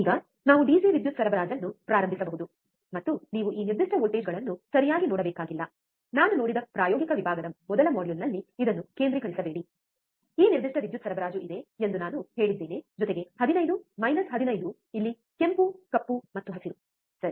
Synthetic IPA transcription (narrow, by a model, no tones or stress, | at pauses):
iːɡɐ | naːʋuɖiːd͡ʒiʋid̪jut̪sɐɾɐbɐɾaːd͡ʒɐnːupɾaːɾɐmbʱisɐbɐɦud̪u | mɐt̪ːuniːʋuʔiːniɾd̪iʂʈɐʋoːlʈeːd͡ʒɡɐɭɐnːusɐɾijaːɡinoːɽɐbeːkaːɡilːɐ | naːnuno̞ːɽid̪ɐpɾaːjɔːɡikɐʋibʱaːɡɐd̪ɐmɔd̪ɐlɐmoːɖjulnɐlːiid̪ɐnːuke̞ːnd̪ɾikɐɾisɐbeːɽi | iːniɾd̪iʂʈɐʋid̪jut̪sɐɾɐbɐɾaːd͡ʒuʔid̪eend̪unaːnuɦe̞ːɭid̪ːeːneːd͡ʒɔt̪e̞ɡe̞hɐd̪inɐjd̪umɐjnɐsɦɐd̪inɐjd̪u | ilːi | ke̞mpukɐpːumɐt̪ːuɦɐsiɾu | sɐɾi